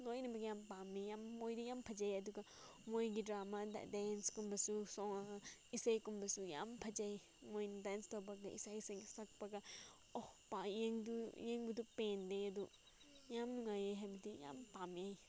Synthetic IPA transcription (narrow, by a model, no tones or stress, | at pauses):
lojnɐbɐɡɐjampamejamːojdujampʰɐd͡ʒajɐduɡɐ | mojɡidɾamad̰denskumbɐsusɔisajkumbɐsuja̰mpʰɐd͡ʒaj | mojndanstowbɐɡaḭsajsɐɡsɐk̚pɐɡa | ɔhpajeŋdujeŋbudupendeɐdu | jamnuŋajajɦabdija̰mpamaj